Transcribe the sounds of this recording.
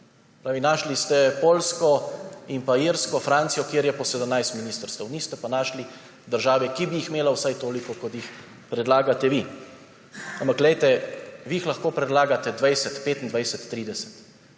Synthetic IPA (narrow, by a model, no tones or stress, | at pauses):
pɾaːʋinaːʃlist̪ɛpoːlskɔimpaiɾskɔfɾaːnt̪sijɔkjeːɾjɛpɔsɛd̪əmnajst̪miniːst̪əɾst̪əwnist̪ɛpanaːʃli | d̪əɾʒaːʋɛkibijixmeːlawsajt̪oːlikɔkɔt̪jix | pɾɛd̪laːɡat̪ɛʋi | ampakɡlɛjt̪ɛʋiixlaxkoːpɾɛd̪laːɡat̪ɛd̪ʋajsɛt̪peːt̪ind̪ʋajsɛt̪ːɾiːd̪ɛsɛ̥t̪